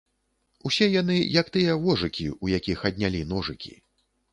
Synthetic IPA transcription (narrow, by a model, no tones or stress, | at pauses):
usʲɛjanɨjɐkt̪ɨjɛvɔʐɨkʲiujakʲixɐd̪̚ʲnʲalʲin̪ɔʐɨkʲḭ